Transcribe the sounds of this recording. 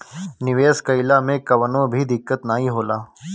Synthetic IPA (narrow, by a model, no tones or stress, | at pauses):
nɪʋeːskəɪlaːmẽkəʋənõːbʱiːd̪ɪkːət̪naːɦĩːɦoːlaː